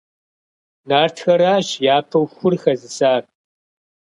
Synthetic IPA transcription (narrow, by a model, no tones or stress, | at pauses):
naːrtʰxɐɾaːɕjaːpʰɐwxʷʊrxɐzɨsaːr